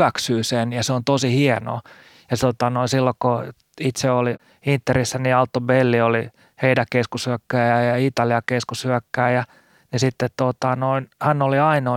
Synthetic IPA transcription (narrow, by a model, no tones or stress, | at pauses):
æksyːsenjɑseont̪osihieno̰ | jɑt̪ot̪ɑnoinsilːoko | it̪seoli | int̪ːerisːæniɑlt̪ːobelːioli | heidækeskushyækːæːjɑjɑit̪ɑliɑkeskushyækːæːjɑ | nisit̪ːet̪t̪ot̪ɑnoinhænːoliɑino